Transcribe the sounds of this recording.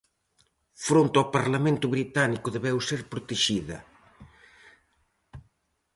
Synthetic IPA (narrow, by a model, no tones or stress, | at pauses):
fɾont̪awpaɾlamẽnt̪ʊβɾit̪anikʊðeβɛwseɾpɾʊt̪eʃiðɐ̰